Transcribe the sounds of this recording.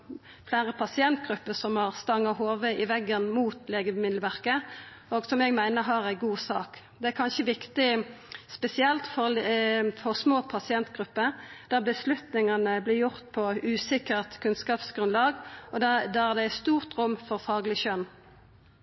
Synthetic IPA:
flæːʁəpʰɑsɪɛnt̪̚ɡʁʉpːəsɔmhɑːʁst̪ɑŋːɑhoːʋəʔɪʋɛɡənmuːt̪leːɡəmɪd̪lʋæʁkə | oːɡsɔmɛɡmæɪnəɦɑːʁæɪɡuːsɑːk | d̪ɛækʰɑnʃəʋɪkt̪ɪspɛsɪɛlt̪fɔ | fɔʁsmoːpʰɑsɪɛnt̪ɡʁʉpːəʁd̪̥æːʁbəslʉt̪nɪŋɑnəblɪʁjʊʁt̪pʰɔʉːsɪkəʁt̪kʰʉnskɑːpsɡ̥ʁʉnlɑːɡɔdd̪ææd̪ɛæɪst̪uːʁt̪ʁʊmːfɔʁfɑːɡlɪʃœn

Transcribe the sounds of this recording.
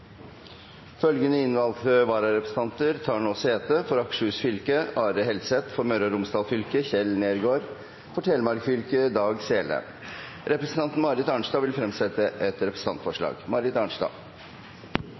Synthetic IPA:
fœlɡənəɪnʋɑlt̪əʋɑːɾɑɾɛpɾəsn̩t̪ɑnt̪əɾt̪ʰɑːɳoːseːt̪əfɔɾɑkʂəʉsfʏlkəɑːɾəɦɛld̪sɛt̪fɔɾmœɾɔɾʊmsd̪ɑːlfʏlkəçɛlneːɾɡoːɾ | fɔʈʰɛlmɑɾkfʏlkəd̪ɑːɡseːlə̰ | ɾɛpɾəsn̩t̪ɑnt̪n̩mɑɾɪt̪ɑɳʂdɑːʋɪlfɾɛmsɛt̪əʔɛt̪ɾɛpɾəsn̩ɑnt̪fɔʂɭɑ̰ːɡmɑɾɪt̪ɑɳʂɑ̰ː

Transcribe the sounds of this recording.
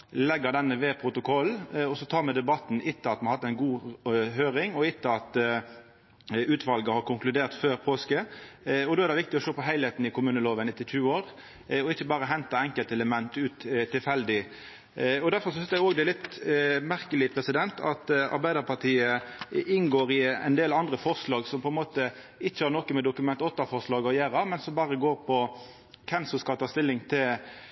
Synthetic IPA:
lɛɡːəɾd̪ɛnːəʋeːpʰʁʊt̪ʊkʰɔlːɔsɔt̪ʰɑːɾmɛd̪ɛbɑt̪n̩ʔɪt̪ːəɑt̪mɛnɑhɑt̪ːæɪnɡuːɦøːɾɪŋɔɪt̪ːəɑt̪ | ʉːt̪ʋɑlɡəhɑɾkʊŋklʉd̪eːʁt̪føːɾpʰoːskəɔd̪oːɛɾd̪ɛʋɪk̚t̪ɪɔʃoːpɔɦæɪhet̪n̩ɪkʰʊmʉːnəloːʋənɪt̪ːɪçʉːəoːɾ | ɔɪçːəbɑːɾəɦɛnt̪ɑɛŋkəlt̪ɛləmɛnt̪ʉːt̪t̪ʰːɪlfɛld̪ɪ | ɔd̪æɾfɔɾsɔhɪst̪ːæoːɡd̪ɛlɪt̪mæɾkəlɪpʰɾɛsɪd̪ɛnt̪ʰɑt̪ɑ̰ɾbæɪd̪əɾpʰɑʁt̪ʰiːəɪnɡoːɾɪɛ̰nd̪eːlɑnd̪ʁəfɔʁslɑːɡsɔmpʰɔɛnmoːt̪ə | ɪçːəhɑɾnɔkːəmɛd̪ʊkʉmɛnt̪ɔt̪ːɑfɔʁʂlɑːɡɔjæːɾɑmɛnsɔmbɑːʁəɡoːɾpʰɔ | kʰɛmsɔskɑlt̪ʰɑːst̪ɪlːɪŋt̪ʰɪl

